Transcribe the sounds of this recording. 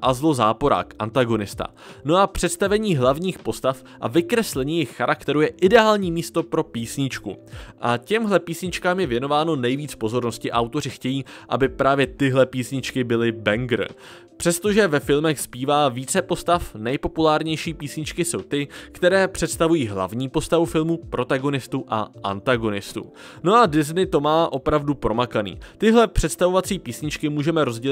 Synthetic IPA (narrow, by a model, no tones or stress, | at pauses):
ʔazlozaːpo̞ɾa̰ːkʔant̪aɡo̞nɪst̪a̰ | no̞ʔapr̝̥ɛt̪st̪avɛɲiːɦlavɲiːxpo̞st̪af | ʔa̰vɪkɾɛslɛɲiːjɪxːaɾakt̪ɛɾujɛʔɪdɛaːlɲiːmiːst̪o̞pɾo̞piːsɲɪt͡ʃkṵʔacɛmɦlɛpiːsɲɪt͡ʃkaːmjɛvjɛno̞vaːno̞nɛjviːt͡spo̞zo̞ɾno̞scɪʔawt̪o̞rɪxcɛjiːʔa̰bɪpɾaːvjɛt̪ɪɦlɛpiːsɲɪt͡ʃkɪbɪlɪbɛŋɡɾ̰ | pr̥ɛst̪o̞ʒɛvɛfɪlmɛxspiːvaːviːt͡sɛpo̞st̪afnɛjpo̞pulaːɾɲɛjʃiːpiːsɲɪt͡ʃkɪso̞wt̪ɪkt̪ɛɾɛːpr̝̥ɛt̪st̪avujiːɦla̰vɲiːpo̞st̪avufɪlmupɾo̞t̪aɡo̞nɪst̪uʔa̰ʔa̰nt̪aɡo̞nɪst̪ṵ | no̞adɪznɪt̪o̞maːʔo̞pɾavdupɾo̞makanḭːt̪ɪɦlɛpr̝̥ɛt̪st̪avo̞vat͡siːpiːsɲɪt͡ʃkɪmuːʒɛmɛɾo̞zɟɛ